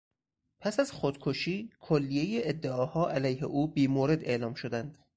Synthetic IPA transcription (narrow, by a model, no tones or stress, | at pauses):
pʰæsæzxod̪̥kʰoʃiːkʰolːijejeed̪ːeɒːhɒːʔælæjhḛʔuːbiːmoːɾe̞d̪e̞ʔlɒːmʃod̪ænd̪̥